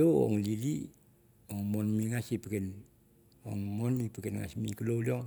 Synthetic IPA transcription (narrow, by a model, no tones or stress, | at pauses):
oo̰ŋlili | oŋmonmiŋasipəken | oŋmonipəkenŋa̰smikəlolioŋ